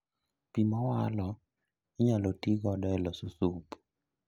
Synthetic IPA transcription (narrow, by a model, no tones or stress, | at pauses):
pimɔwa̰lɔ | iɲalotiɡɔdɔɛlɔsusup